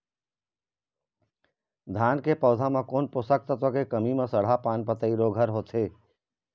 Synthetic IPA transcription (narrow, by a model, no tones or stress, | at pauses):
d̪ʱaːnkepɔːd̪ʱamãkoːnpʊsək̚t̪ət̪okekəmimẽsəɽ̤apaːnpət̪əiɾoɡʱəɾɦoːt̪ʰeː